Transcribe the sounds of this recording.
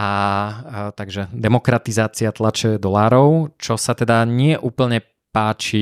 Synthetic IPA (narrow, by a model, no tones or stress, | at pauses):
a | t̪aɡʒɛd̪ɛmɔkɾat̪izaːt͡siat̪lat͡ʃɛd̪ɔlaːɾɔʊt͡ʃɔsat̪ɛd̪aɲɪɛʔuːpl̩ɲɛ | paːt͡ʃi